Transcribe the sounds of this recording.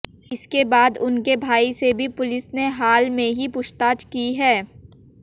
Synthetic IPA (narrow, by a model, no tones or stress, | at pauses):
ɪskebaːd̪ʊnkebʱaːisebʱipʊlɪsneɦaːlmẽɦipʊʃt̪aːt͡ʃkiɦɛː